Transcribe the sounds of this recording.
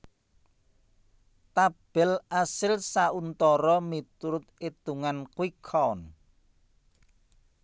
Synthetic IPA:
t̪ab̥ɛlʔasɪlsaunt̪ɔɾɔmit̪ɾʊt̪̚ed̪̥uŋankuwikʰɔn

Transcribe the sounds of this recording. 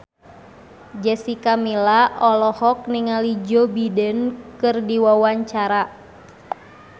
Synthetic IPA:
d͡ʒɛsikamilaʔɔlɔhɔk̚niŋalid͡ʒɔbidənkɨrdiwawaɲt͡ʃaɾa

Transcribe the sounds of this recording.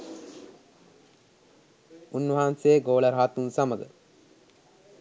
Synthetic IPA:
unːʋəɦaːnseːɡoːləɾɦaːt̪unsaməɡə

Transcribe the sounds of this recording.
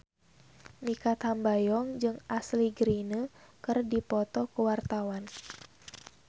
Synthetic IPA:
mikat̪hambajɔŋd͡ʒɨŋasliɡɾinəkɨrdipɔt̪ɔkuwart̪awan

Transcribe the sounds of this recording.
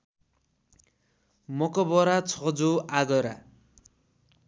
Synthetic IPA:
mʌkʌbʌɾat͡sʰʌd͡zoaɡʌɾa

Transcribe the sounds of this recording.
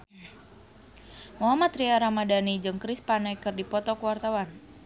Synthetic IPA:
muɦamat̪ɾiaɾamadanid͡ʒɨŋkɾispanajkɨrdipɔt̪ɔkəwart̪awan

